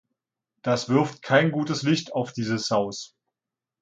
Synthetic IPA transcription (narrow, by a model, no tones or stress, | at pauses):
d̥asv̥ʏɐftkʰaɪnɡuːtəslɪçtaʊfd̥iːzəshaʊs